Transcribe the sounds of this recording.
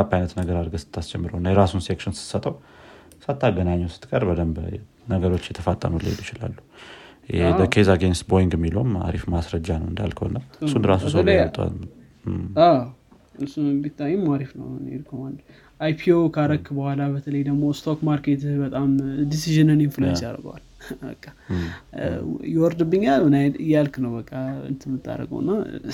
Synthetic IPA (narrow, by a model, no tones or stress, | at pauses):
abajnət̪nəɡəɾad̪ɡəsɨ̥t̪ʰːasd͡ʒɛmːɨɾəwnːajɛɾasunsekʃɪnsɨ̥sət̪ʼəw | sat̪ʰːaɡənaɲːɛwsɨ̥t̪kʼəɾbəd̪əmb | nəɡəɾo̞t͡ʃːjɛt̪ʰəfat̪ʼːə̰mulḛjd̪jɪt͡ʃɪla̰lːu | dəkʰezaɡenst̪bojiŋɡɛmːilowma̰ɾifmasɾəd͡ʒːanəwɨnd̪a̰lkʰəonːasunɾasusəwlet̪ʼa̰ | a | ɨɾsubit̪ʰːajːɪmːaɾifnə̰wnḛlkʰəwənd̪ | ʔajpʰiokʰaɾəkːbəhʷalabət̪ʰələjd̪əɡmo̞st̪ʰokmaɾket̪bət̪ʼamd̪isiʒɨnɨnemfɨlad͡ʒa̰ɾɡwa̰l | bə̰kʼːa | jɪwɔɾd̪ɨbːɨɲːalɨnaɨjalknəwbəkʼːaɨ̰nt̪ʰɨmːɨt̪ʰːa̰ɾːə̰ɡə̰w̰nːa